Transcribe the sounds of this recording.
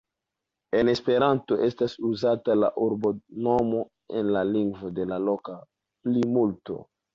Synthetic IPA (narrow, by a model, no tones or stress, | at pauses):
e̞ne̞spe̞ɾanto̞ʔe̞stasuzatala̰ʔuɾbo̞no̞mo̞ | e̞̰nlaliŋɡvode̞lalo̞ka | plimulto̞̰